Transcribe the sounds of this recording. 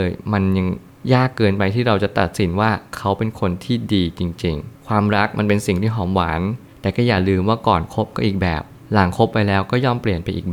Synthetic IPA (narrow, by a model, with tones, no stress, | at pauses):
ɤː˧jma˧nja˧ŋ | jaː˥˩kkːɤː˧npa˧jt̪ʰiː˥˩ɾa˧wt͡ɕa˨˩t̪a̰˨˩t̪̚si˩˦nwaː˥˩kʰa˦˥wpe˧nkʰo˧nt̪ʰiː˥˩diː˧t͡ɕi˧ŋt͡ɕi˧ŋkʰwaː˧mɾa˦˥k̚ma˧npe˧nsi˨˩ŋt̪ʰiː˥˩ɦɔː˨˩˦mwaː˩˦nt̪ɛː˨˩kɔː˥˩jaː˨˩lɯː˧mwaː˥˩kɔː˨˩nkʰo˦˥p̚kɔː˥˩ʔiː˨˩k̚bɛ̰ː˨˩p̚ | la˩˦ŋkʰo˦˥pːa˧jlɛː˦˥wkɔː˥˩jɔː˥˩mpli˨˩ənpa˧jʔiː˨˩bɛ˨˩